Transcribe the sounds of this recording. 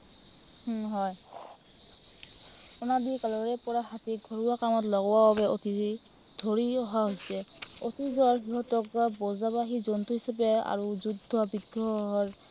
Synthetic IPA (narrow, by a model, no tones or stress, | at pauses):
hɦɔj | ɔnadikalɔɹɛpɔɹaɦatiɡʱɔɹuwakamɔtlɔɡɔwababɛʔoti | dʱoɹiɔɦaɦojsɛotizɹɦiɦɔtɔkɔbɔzabaɦizɔntuɦisapɛa̰ɹuzudʱːɔbiɡɹɔɦɔɹ